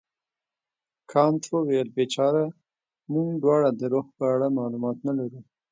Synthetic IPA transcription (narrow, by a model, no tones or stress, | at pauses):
kʰɑnt̪owelbet͡ʃɑɾa | muŋɡɖwɑɽad̪əɾoxpəaɽamɑlumɑt̪nalaɾu